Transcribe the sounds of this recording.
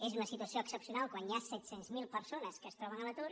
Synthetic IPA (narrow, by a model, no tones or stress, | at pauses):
ezunəsit̪uwəsioəksəpsijunalˠkwanjasɛt̪senzmilˠpəɾsonəskəst̪ɾɔβənələt̪uɾ